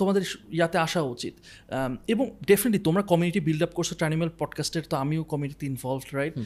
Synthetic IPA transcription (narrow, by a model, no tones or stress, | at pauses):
t̪omad̪eɾjat̪eaʃaut͡ɕḭt̪ | eboŋɖefʰineʈlit̪omɾakɔmiuniʈibilɖap̚koɾt͡ɕʰoʈanimelpɔɖkasʈeɾt̪oamiokɔmiuniʈit̪iinvʱɔlvɖɾajʈ̚